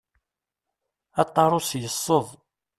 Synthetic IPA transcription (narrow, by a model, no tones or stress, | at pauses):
ɑt̪ˤːɑɾˤʊsjəsˤːəðˤ